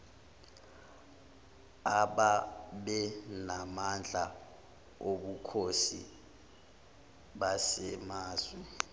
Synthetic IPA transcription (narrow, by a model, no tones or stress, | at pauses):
aɓaɓɛnamand͡ɮʱa | oɓukʰosḭ | ɓasɛmaːzwɛ